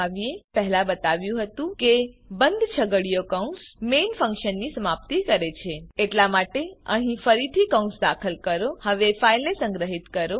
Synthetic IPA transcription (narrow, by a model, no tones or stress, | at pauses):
aʋiepəɦlãbət̪aʋjũɦət̪ũkebənd̪ʱt͡ʃʰəɡəɭijokaũsmenfə̃ŋkʃənːisəmap̚t̪ikəɾet͡ʃʰeeʈlamaʈeəɦĩfəɾit̪ʰikaũnsd̪akʰəlkəɾohəʋefailnesə̃ŋɡɾəɦit̪kəɾo